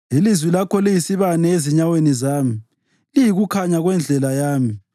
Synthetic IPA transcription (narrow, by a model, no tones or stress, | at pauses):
ilizwilakʰɔlijisiβanɛeziɲawenizaːmi | lijiɣukʰaɲaɣwɛnd͡ɮʱɛlajaːmi